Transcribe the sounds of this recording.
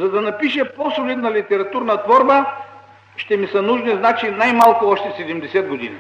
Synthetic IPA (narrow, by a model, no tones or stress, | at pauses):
zɐd̪ɐnɐpiʃɛposolid̪nɐlit̪ɛɾɐt̪uɾnɐt̪vɔɾbə | ʃt̪ɛmisənuʒniznat͡ʃinajmalˠkʊɔʃt̪ɛsɛd̪ɛmd̪ɛsɛd̪̚ɡod̪ḭnḭ